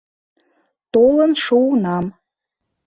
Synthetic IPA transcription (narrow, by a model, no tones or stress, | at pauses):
t̪olənʃunɑm